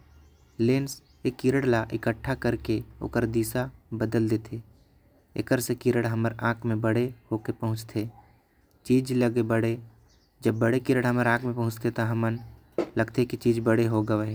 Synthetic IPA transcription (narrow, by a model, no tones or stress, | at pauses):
leːns | ekːiɾəɽlaʔɪkəʈʰːakəɾkeo̰ːkəɾd̪iːsabəd̪əld̪eːt̪ʰeː | ɪ̰kəɾsekiɾəɽɦəməɾãːkʰmẽbəɽehokepəɦʊ̃t͡ʃt̪ʰe | t͡ʃiːd͡ʒləɡebəɽe | d͡ʒəbːəɽekiːɾəɽɦəməɾãːkʰmẽpɐɦʊ̃t͡ʃt̪ʰet̪oɦəmən | ləɡt̪ekit͡ʃiːd͡ʒbəɽeɦoɡəeɦɛː